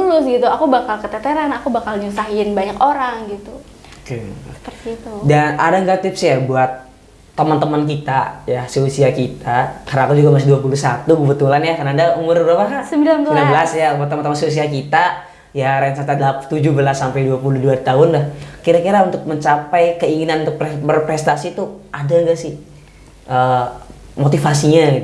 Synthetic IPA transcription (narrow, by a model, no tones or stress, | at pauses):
ulʊsɡit̪uakubakalkət̪et̪eɾanakubakalɲusaɦiɪnbaɲakoɾaŋɡit̪u | kəə̥pərt̪iːt̪udana̰daŋɡat̪ɪpsjabuat̪ː | əmənt̪əmənk̬it̪ajaseusiakit̪akarnakud͡ʒuɡamas̬ɪduapulusat̪ukəbət̪ulanjakənadaumʊrbəɾapakasəmbilanbənabəlasjamat̪ːəmnt̪əmanseus̬iakit̪a | jaɾansat̪adlapt̪ud͡ʒubəlasːampajduapuluhduat̪aɦʊnlahkiɾakiɾaunt̪ʊk̚məɲt͡ʃapajkəiŋinanunt̪ʊk̚pbərpɾɛst̪asit̪uadaŋɡaʔsɪh | ʔə | mot̪ifasiɲaɡit̪